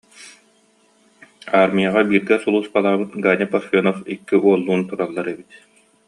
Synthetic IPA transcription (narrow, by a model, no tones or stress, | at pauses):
aːɾmijaʁabiːɾɡɛsulˠuːsbalˠaːbɯt̪ɡaːnʲɛpɔɾfʲɔnɔfikːiʔuɔlˠːuːnt̪uɾalˠːaɾɛbit̪